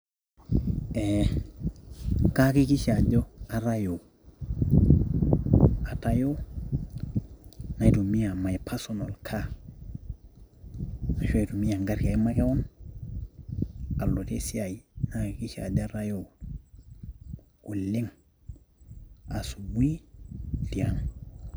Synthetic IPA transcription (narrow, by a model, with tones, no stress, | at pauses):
e˨ | ka˦ki˦ki˦ʃa˨ɟo˦a˨ɾa˦jo˨ | a˨ta˦jo˦ | na˨i˨tu˨mi˦a˨ma˨jpʰa˦so˨no˨lkʰa˦ | na˨ʃo˦i˨tu˨mi˦a˨ŋɡa˦ɾka˨jma˦ke˦wo˦n | a˨lːo˨te˦si˦a˨i˨na˦ki˨ki˦ʃa̰˨ɟa˦ɾa˦jo˨ | u˨lːi˦ŋ | a˨su˨bi˦di˨a˨ŋ